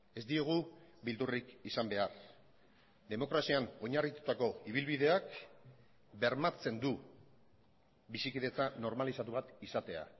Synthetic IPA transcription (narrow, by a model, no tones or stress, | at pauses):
e̞zd̪ie̞ɣ̞ubild̪urikisambe̞ar | d̪e̞mo̞kɾasiano̞ɲarit̪u̥t̪ako̞iβ̞ilβiðe̞ak | be̞ɾmat͡se̞nd̪u | bisikiðe̞t͡sano̞ɾmalisat̪uβat̪isat̪e̞a̰